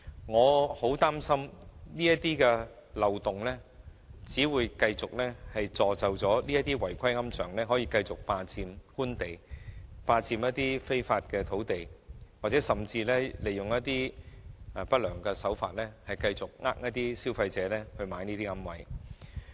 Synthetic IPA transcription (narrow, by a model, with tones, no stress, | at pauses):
ŋɔː˨˧ho˨˥wt̪aː˥msɐ˥mniː˥jɐ˥t̚t̪iː˥kɛ˧ | lɐ˨wt̪ʊ˨ŋlɛː˥t͡siː˨˥wuː˨˧jkɐ˧jt͡sʊ˨k̚lɛ˥hɐ˨jt͡sɔː˨˧t͡sɐ˨wt͡sɔː˨˥liː˥jɐ˥t̪iː˥wɐ˨˩jkʰɐ˥jŋɐ˥mt͡ʃʰœː˨˩ŋlɛː˥ɦɔː˨˥jiː˧kɐ˧jt͡sʊ˨k̚paː˧t͡siː˧mkuː˥nt̪e˨˩jpaː˧t͡siː˧mjɐ˥t̚t̪iː˥fe˥jfaː˧t̚kɛː˧t̪ʰo˨˥wt̪e˨jwaː˨˩t͡sɛ˨˥sɐ˨˩mt͡siː˧lɛː˥le˨jʊ˨ŋjɐ˥t̚t̪iː˥˨˩ | pɐ˥t̚lœː˨˩ŋkɛ˧sɐ˨˥wfa̰ː˧t̚lɛː˥hɐ˨jkɐ˧jt͡sʊ˨k̚ŋaː˥k̚nɐ˥t̚t̪iː˥siː˥wfɐ˧jt͡sɛː˨˥lɛː˥hɵ˧ɥmaː˨˧jniː˥t̪iː˥ŋɐ˥mwɐ̰˨˥j